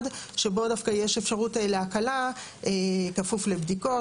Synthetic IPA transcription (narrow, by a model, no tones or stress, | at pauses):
dʃe̞bo̞dafkajeʃefʃaʁuteleakala | ekafuflebd̪iko̞